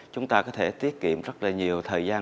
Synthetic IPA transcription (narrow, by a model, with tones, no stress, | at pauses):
t͡ɕʊ˨˦ŋ͡mt̪aː˧kɔ˨˦t̪ʰe˧˩t̪i˦˥əp̚kḭ˧˨əmzə˦˥t̚laː˨˩ɲi˨˩əwt̪ʰəː˨˩jzaː˧